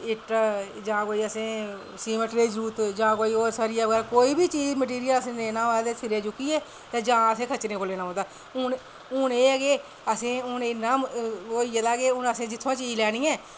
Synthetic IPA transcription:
ɪʈ | d͡ʒãːkoːiːəsẽː | siːməʈɾeːd͡ʒɾuːt̪d͡ʒãːkoːiːoːɾsaːɾijaːʋɡɛːɾkoːiːbiːt͡ʃiːd͡ʒməʈ̬iːɾɪjələsẽːneːnãːʋaːld̪eːsʰɪɾeːt͡ʃʊkːiːɛː | t̪eːd͡ʒãːəsẽːkʰət͡ʃɾẽːkoleːnãːõːd̪aː | ʊn | ʊneːəɡeː | əsẽːʊnenaːkoːiːelaːɡeːʊnəsẽːd͡ʒɪt̪ʰːõːt͡ʃiːd͡ʒlɛːɽ̃iːɛ̃ː

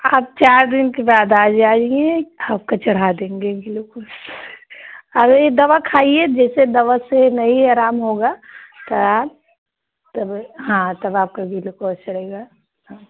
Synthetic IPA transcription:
aːp̚t͡ʃaːɾd̪ɪnkebaːd̪aːd͡ʒaːd͡ʒiẽaːp̚kat͡ʃɐɽ̤ad̪ẽːŋɡeɡɪlokoːs | ɐɡɾed̪ɐʋakʰaːied͡ʒɛːsed̪ɐʋasenɐɦiaːɾaːmɦoːɡaːt̪ɐaː | t̪ɐbɦãːt̪ɐbaːp̚kaɡʱilokoːst͡ʃɐɽ̤eːɡa | ɦãː

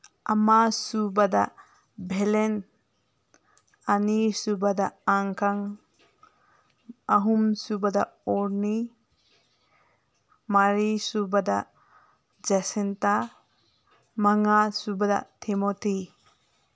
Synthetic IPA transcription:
amasubada̰ | bʱelen | anisubadaːŋkʰaŋ | aɦumsubadaɔɾni | maɾisubada̰ | d͡ʒasenta | maŋasubada̰tʰimotʰi

